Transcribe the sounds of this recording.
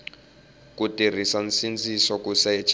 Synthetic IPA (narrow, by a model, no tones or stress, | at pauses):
kutir̤isansind͡zʱisɔkusɛɛt͡ʃʰ